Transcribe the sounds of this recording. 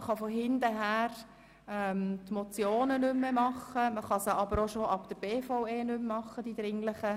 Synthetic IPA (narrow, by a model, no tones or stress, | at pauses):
χɑfoɦɪnd̪əɦæːɾ | ɛmt̪mot͡sjoːnənʏmːemɑχəməχɑsəɑbəɾoʃoʔɑpd̥̪əɾb̥eːfaweːnʏmːɑχːəd̥id̪ɾɪŋləχə